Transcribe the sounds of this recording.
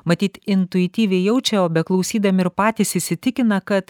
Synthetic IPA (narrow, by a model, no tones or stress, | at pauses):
mɐt̪ʲiːt̪ɪnt̪ʊɪt̪ʲiːʋʲɛɪjɛʊt͡ʃʲɛoːbʲɛklˠɒʊsʲiːd̪ɐmʲɪɪɾpɑːt̪ʲisɪːsʲɪt̪ʲɪkʲɪnɐkɐt̪